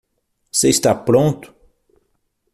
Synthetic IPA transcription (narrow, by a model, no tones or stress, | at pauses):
seist̪apɾõnt̪ʊ̥